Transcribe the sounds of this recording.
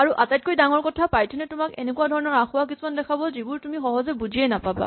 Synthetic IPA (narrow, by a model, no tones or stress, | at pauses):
aɹuʔatajt̚kojdaŋɔɹkɔtʰapajtʰɔnɛtʊmakenɛkuadʱɔɹɔnɔɹaxʊwak̬isumandɛkʰabɔzibuɹtumixɔɦɔzɛbuziɛnapaba̰